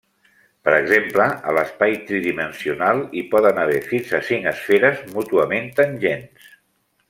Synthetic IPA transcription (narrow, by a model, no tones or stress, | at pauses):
pəɾəɡzempləə̰ləspajt̪ɾiðimənsiunalˠipɔðənəβ̞ɛɾfinsəsiŋəsfeɾəzmut̪uəment̪ənʲʒens